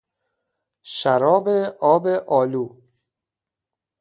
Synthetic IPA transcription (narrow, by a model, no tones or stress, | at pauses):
ʃæɾɒːbeɒːbeʔɒːluː